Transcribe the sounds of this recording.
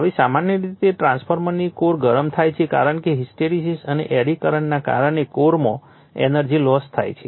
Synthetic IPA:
ɦaʋisamanjəɾit̪eʈɾãnspʰoɾmənikoɾɡəɾəmt̪ʰajt͡ʃʰeka̰ɾəɳkeɦisʈeɾisisənḛʔeɽikəɾəɳnaka̰ɾəɳekoɾmõ | ɛ̰nəɾd͡ʒilɔst̪ʰa̰jt͡ʃʰe

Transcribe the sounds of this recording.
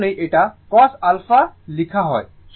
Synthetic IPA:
nejʔeʈakɔsalfʰalikʰaɦɔ̰j | s

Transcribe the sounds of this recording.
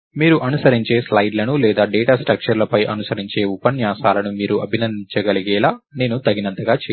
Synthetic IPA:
miːɾuʔɐnusɐɾiɲt͡ʃe̞ːslɐjɖlɐnulɛːd̪aːɖɛːʈaːsʈɾɐk̚ʂɐɾlɐpɐjʔɐ̰nusɐɾiɲt͡ʃe̞ːupːɐnjaːsaːlɐnumiːɾuʔɐbʱinɐnd̪iɲt͡ʃɐɡɐliɡɛːlaːne̞ːnut̪ɐɡinɐnt̪ɐɡaːt͡ʃe

